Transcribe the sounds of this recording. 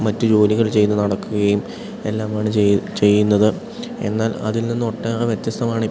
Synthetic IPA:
mɐtːud͡ʑo̞ːliɣɐɭt͡ɕe̞jnːɨnɐɽɐkːuɣɐjum | e̞lːaːmaːɳɨt͡ɕe̞jːunːɐðɨ | e̞̰nːaːlɐ̰ðilninːɨoʈːeːreʋje̞t̪jɐst̪ɐmaːɳɨi

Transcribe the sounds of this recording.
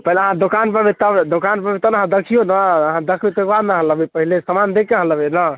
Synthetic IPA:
pəɦileəɦãd̪okanpəɾbit̪əbd̪okanpəɾbit̪əbnəɦãd̪əkʰijonəəɦãd̪əkʰbet̪əkbad̪naɦələbipəɦilesəmand̪ekːeɦə̃ləbenə

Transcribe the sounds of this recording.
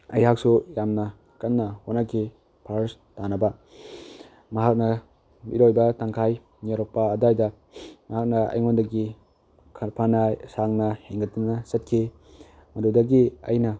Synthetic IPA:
ɐjɦak̚sujamnɐ | kɐnːɐhonakʰi | pʰastanɐbɐ | mɐɦak̚nɐ | bḭɾojbɐtaŋkʰaj | niɾok̚pɐːdajdɐ | mɐɦak̚nɐɐ̰jŋondɐɡi | kʰpʰanɐsaŋnɐheŋɡɐtːunɐsɐt̚kʰi | mɐdudɐɡiɐ̰jnɐ

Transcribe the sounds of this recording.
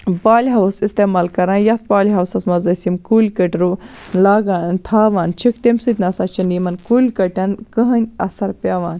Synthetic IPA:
baːlʲɦɐwsist̪eːmaːlkɐɾaːjɐt̪̚ʰbaːlʲɦɐwsɐsmɐzɐsimkuːlʲkəʈʲɾulaːɡaːnt̪ʰaːʋaːnt͡ʃʰikt̪emsɨt̪ʲnɐsaːt͡ʃʰɐnimɐnkuːlʲkɐʈʲɐnkəɦɐnʲɐsɐɾpʲaːʋaːnʲ

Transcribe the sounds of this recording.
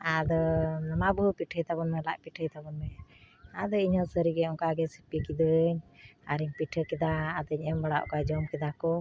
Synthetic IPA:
ad̪ɔnamabupiʈʰəjt̪abɔnmɛlaʔpiʈʰəjt̪abɔnmɛ | ad̪ɔiɲɔsəɾiɡɛɔŋkaɡɛsipikid̪əɲaɾiɲpiʈʰəkɛd̪aːd̪əɲɛmbɔɽaʔkad͡ʒɔmkɛd̪akɔ

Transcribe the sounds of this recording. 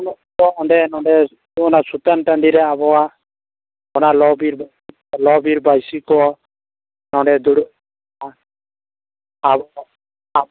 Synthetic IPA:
ɔtɔɔɳɖɛnɔɖɛ | ɔnasut̪anʈand̪iɾɛabɔwa | ɔnalɔbiɾ | lɔbiɾbajsikɔɔ | nɔɳɖɛd̪uɽ | a

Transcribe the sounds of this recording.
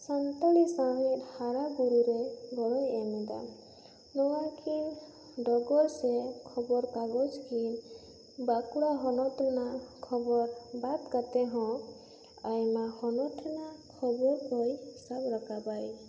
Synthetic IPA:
sant̪aɽisaɛt̪haɾaɡuɾuɾejbɔɹɔjɛmɛd̪a̰ | nɔwakʰin | dɔɡɔɹsɛkʰɔbɔɾkaɡɔd͡ʒkʰin | bakuɽaɦɔnɔtɔnakʰɔbɔɾbat̪kat̪ɛɦɔ̃ | ajmahɔnɔtʰɔnakʰɔbɔɾpɔjisabɾakapaj

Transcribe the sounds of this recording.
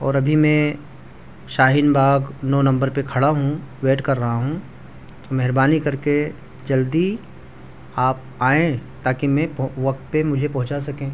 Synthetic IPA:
ɔːɾɐbʱimẽ | ʃaːɦɪnbʱaːɡnoːnɐ̃mbəɾpekʰɐɽaɦũʋeːʈkɐɾːɐɦaɦũ | t̪omɛɦɾbaːnikɐɾke | d͡ʒɐld̪i | aːp̚ | aːẽt̪aːkimẽpʋɐk̚t̪̚pemʊd͡ʒʱepɐɦʊ̃t͡ʃasɐkẽː

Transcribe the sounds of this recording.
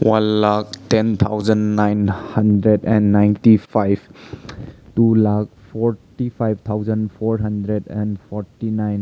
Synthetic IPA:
wanlak̚tent̪ʰawzənːajnhɐndɾedɛnːajntipʰajb | tulak̚pʰɔɾtipʰajb̚ʱt̪ʰawzənpʰɔɾɦɐndɾedɛ̃npʰɔɾtinajn

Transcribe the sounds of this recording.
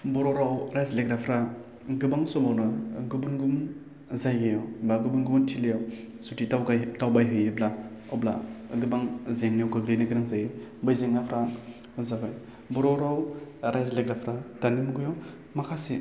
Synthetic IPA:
bɔɾɔɾawɾajzleɡɾapʰɾa | ɡɯbaŋsɔbawnɯɡɯbunɡum | zajɡejɔbaɡubunɡubuntʰilejaw | sutitawɡtawbajɦɯjeblaɔbla̰ɡɯbaŋzeŋnijwɡɯɡlejnɯɡɯɾaŋzajɯbɯjzeŋapʰɾa | zabaj | bɔɾɔɾawɾajzleɡɾapʰɾatanimɡujo | makʰasi

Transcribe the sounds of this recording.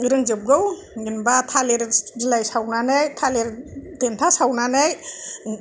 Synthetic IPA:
ɯɾɯŋd͡ʒɯp̚ɡɯw | ŋinbatʰaleɾd͡ʒilajsawnanajtʰaleɾdentʰasawnanaj

